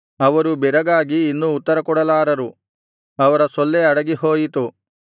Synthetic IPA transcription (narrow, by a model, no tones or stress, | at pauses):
ɐʋɐɾubɛɾɐɡaːɡiːnːuːt̪ːɐɾɐkɔɽɐlaːɾɐɾu | ɐʋɐɾɐsɔlːeɐɽɐɡiɦoːjit̪u